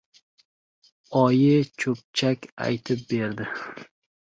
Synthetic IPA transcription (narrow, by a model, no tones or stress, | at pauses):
ɒjɪt͡ʃʰɵp̚t͡ʃʰakʲa̰jt̪ʰɪp̚be̞ɾd̪ɪ